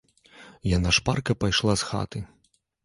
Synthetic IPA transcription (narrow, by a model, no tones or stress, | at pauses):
janaʂparkɐpajʂlˠasxa̰t̪ɨ